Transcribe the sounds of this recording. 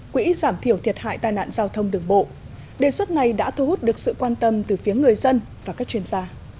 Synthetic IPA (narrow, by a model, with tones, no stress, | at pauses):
kwḭ˧˥zaː˧˩mt̪ʰi˧˩əwt̪ʰi˨˩ət̚ha̰ː˧˨jt̪aː˨˩jna̰ː˧˨nzaː˧wt̪ʰə˧wŋ͡mɗɨ˨˩əŋɓo̰˧˨ | ɗe˨˩swə˦˥t̚na˨˩jɗa̰ː˧˥t̪ʰu˧hu˦˥t̚ɗɨ˨˩ək̚sɨ̰˧˨kwaː˧nt̪ə˧mt̪ɨ˨˩fi˨˦əŋɨ˨˩əjzə˧nvaː˨˩ka˦˥k̚t͡ɕi˧ənzaː˧